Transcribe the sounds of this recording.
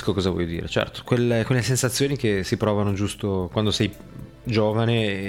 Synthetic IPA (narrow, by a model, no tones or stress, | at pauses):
kokɔːzavwɔ̰ːjod̪ḭːɾḛt͡ʃɛ̰rt̪o̥kwelekwelːesensat̪sːjoːnikesipɾɔːvanod͡ʒust̪okwand̪osɛj | d͡ʒoːvane